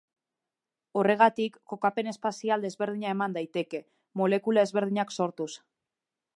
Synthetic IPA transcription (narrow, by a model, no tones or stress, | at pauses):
o̞re̞ɣ̞at̪ikːo̞kape̞ne̞spasiald̪e̞zβe̞ɾð̞iɲae̞mand̪ajt̪e̞ke̞ | mo̞le̞kulae̞zβe̞ɾð̞iɲakso̞ɾt̪us